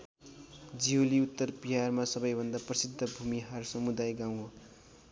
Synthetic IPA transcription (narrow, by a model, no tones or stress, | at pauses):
d͡ziɦoliut̪ːʌrbiɦarmasʌbʌjbʱʌnd̪aprʌsid̪ʱːʌbʱumiɦʌrsʌmud̪ajɡaw̃ɦo